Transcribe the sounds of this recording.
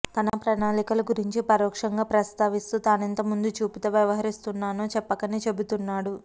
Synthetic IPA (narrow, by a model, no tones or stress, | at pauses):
t̪ɐnɐpɾɐnaːlikɐlɐɡuɾiɲt͡ʃipɐɾɔːkʂɐŋɡaːpɾɐst̪aːʋist̪uːt̪aːnɐnt̪ɐmund̪ut͡ʃuːpit̪ɐʋjɐʋɐɦɐɾist̪unːaːnuːt͡ʃɛpːɐkɐniːt͡ʃe̞but̪unːaːɽu